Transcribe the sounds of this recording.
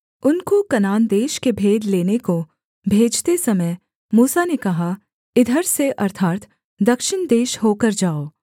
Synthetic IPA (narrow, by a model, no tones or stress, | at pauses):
ʊnkokɐnaːnd̪eːʃkebʱeːd̪leːneko | bʱeːd͡ʒt̪esɐməj | muːsanekɐɦa | ɪd̪ʱəɾseʔɐɾt̪ʰaːt̪ | d̪ɐkʃɪnd̪eːʃhoːkəɾd͡ʒaːoː